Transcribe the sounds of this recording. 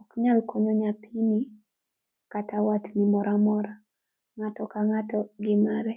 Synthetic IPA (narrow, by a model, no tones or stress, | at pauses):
ɔkɲalkɔɲoɲapʰini | katawatnimɔɾʔamɔɾa | ŋatɔkaŋatɔɡɪmaɾɛ